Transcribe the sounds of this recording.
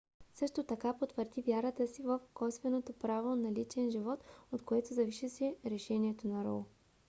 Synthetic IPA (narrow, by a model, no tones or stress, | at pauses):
sɤʃt̪ot̪ɐkapot̪vəɾd̪ivʲjaɾət̪əsivəfkɔjst̪vɛnot̪opɾavonɐlit͡ʃɛnʒivɔt̪ot̪koɛt̪ozɐviʃisɛɾɛʃɛniɛt̪onɐɾɔ̰lˠ